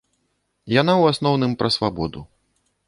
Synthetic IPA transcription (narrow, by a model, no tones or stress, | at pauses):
janawasnɔwnɨmpɾɐsvabɔd̪ṵ